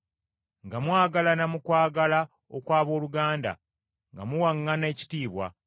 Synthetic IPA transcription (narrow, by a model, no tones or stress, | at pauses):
ŋɡamwaːɡalanamukwaːɡala | okwaːβo̞ːluɡaːnda̰ | ŋɡa̰muwaŋːane̞ːci̥tiːβwa̰